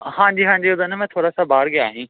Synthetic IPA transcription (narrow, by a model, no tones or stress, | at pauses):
hãːɲd͡ʑiɦãːɲd͡ʑeʊd̪ənmẽt̪ʰoːɾasãbʱaːɽɡejaːɦĩː